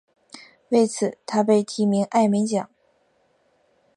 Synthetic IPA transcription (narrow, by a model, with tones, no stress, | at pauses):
we˥˩ɪt͡sʰɹ̩˨˩˦t̪ʰa˥p̬e˥˩ɪt̪ʰi˧˥mi˧˥ŋʔa˥˩ɪmɛ˧˥nt͡ɕjɑ̰˨˩˦ŋ